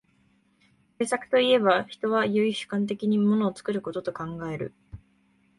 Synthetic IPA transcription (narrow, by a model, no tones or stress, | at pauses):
se̞ːsakɯ̥t̪o̞ie̞baçi̥t̪o̞β̞ajɯ̟iɕɨ̥kãnt̪e̞kʲiɲ̟imo̞no̞ːt͡sɨ̥kɯ̟ɾɯ̟ko̞t̪o̞t̪o̞kãŋɡae̞ɾɯ̟̰